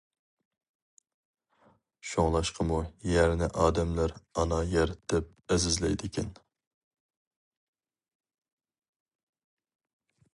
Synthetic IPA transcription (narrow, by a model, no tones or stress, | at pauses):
ʃoŋlˠɑʃqʰəmujæɾnɪʔɑːd̪ɛmlæɾɑnɑjɛɾt̪ɪp̚ɛzɪzlɛjd̪ɪkʲʰɛn